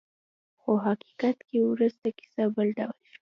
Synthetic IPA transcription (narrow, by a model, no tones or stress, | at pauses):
xoɦaki̥kat̪kewɾuzt̪aki̥sabəlɖawlʃi